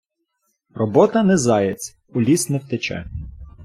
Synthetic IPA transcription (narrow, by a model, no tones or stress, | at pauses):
rɔbɔt̪ɐnɛzɑjet͡sʲ | ʊlʲisnɛwt̪et͡ʃɛ̰